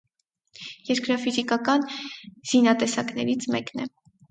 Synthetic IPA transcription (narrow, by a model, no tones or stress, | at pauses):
jɛɾkɾɑfizikɑkɑnz̥inɑt̪ɛsɑknɛɾit͡sʰmɛknɛ